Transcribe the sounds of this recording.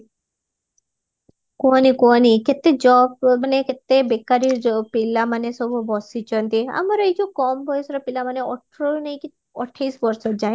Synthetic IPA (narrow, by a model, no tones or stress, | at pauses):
konikoniket̪ːed͡ʒɔb̚maneket̪ːebekaɾiɾd͡ʒɔpilːamanesɔbʱubɔsit͡ʃɔnt̪ia̰mɔɾɔit͡ʃʰukɔmbʱɔjesɔɾɔpilamaneɔʈʰɾɔnajki | ɔʈʰːajsbɔɾsɔd͡ʒaj̃